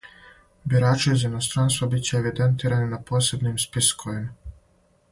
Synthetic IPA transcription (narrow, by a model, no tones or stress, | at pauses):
biɾaːt͡ʃiizainost̪ɾaːnst̪vabit͡ɕeːʋid̪ent̪iːɾaninapo̞ːse̞bnimspiskʰoim